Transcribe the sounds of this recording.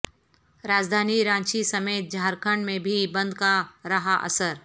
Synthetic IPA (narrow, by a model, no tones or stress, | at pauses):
ɾaːd͡ʒd̪ʱaːniɾãːnʃisɐmeːt̪̚d͡ʒʱaːɾkʰəɳɖmẽbʱibɐ̃nd̪̚kaɾɐɦaʔɐ̰səɾ